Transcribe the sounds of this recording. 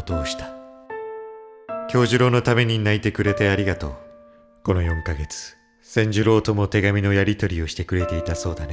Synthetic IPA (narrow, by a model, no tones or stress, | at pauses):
t̪o̞ːɕi̥t̪ḁ | kʲo̞ːʑɨɾo̞ːno̞t̪ame̞ɲ̟inait̪e̞kɯ̟ɾe̞t̪e̞aɾʲiɡat̪o̞̰ː | ko̞no̞jõ̞ŋkaɡe̞t͡sɨ̥ | sẽ̞ɲ̟d͡ʑɨɾo̞ːt̪o̞mo̞t̪e̞ɡamʲino̞jaɾʲit̪o̞ɾʲio̞ɕi̥t̪e̞kɯ̟ɾe̞t̪e̞it̪aso̞ːd̪an